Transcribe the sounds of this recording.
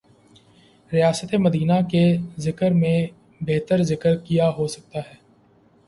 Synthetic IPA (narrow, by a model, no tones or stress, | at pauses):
ɾijaːsət̪emɐd̪iːnakezɪkəɾmẽ | beːt̪əɾzɪkəɾkijaɦosɐk̚t̪aɦɛː